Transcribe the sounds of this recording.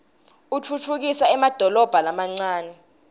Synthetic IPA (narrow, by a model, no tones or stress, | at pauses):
ut͡fʰut͡fʰuk̬isaɛmad̥ʱɔlɔb̥ʱalamaŋ͡ǀaːnɛ